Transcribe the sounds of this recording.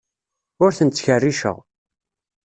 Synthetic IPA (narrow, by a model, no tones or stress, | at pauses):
ʊɾθənt̪ːçərːiʃə̰ʁ